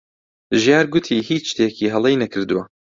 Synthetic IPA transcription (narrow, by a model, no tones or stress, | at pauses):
ʒjaːɾɡʊt̪ʰiːhiːt͡ʃʃt̪eːkiːɦɐlˠejnɐkʰɨɾd̪uwɐ